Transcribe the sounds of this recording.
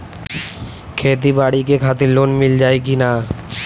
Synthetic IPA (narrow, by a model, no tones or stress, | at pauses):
kʰet̪̬ibaɽikekʰat̪̬ilonmild͡ʑaːek̬ina